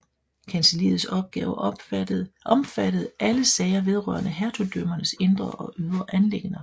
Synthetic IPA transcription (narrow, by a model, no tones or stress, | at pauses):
kʰænsəlḭːð̩ˠsɒ̽b̥̚ɡ̥ɛːʊ̥ | ʔɒ̽mfæd̥əð̞̩ˠʔæləsɛɪɐʋe̝ð̞ˠʁœ̰ɐ̰nəɦæɐt͡sʰud̥øm̰ɐnəse̝nd̥ʁɐʔɒ̽ʔyð̞ˠʁɐʔænle̝ɡ̥nɐ